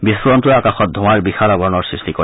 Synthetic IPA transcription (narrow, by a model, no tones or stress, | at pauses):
bisɹɔntuakaxɔt̪̚d̪ʱũwaɹbixalaɡɔnɔɹsɹistiko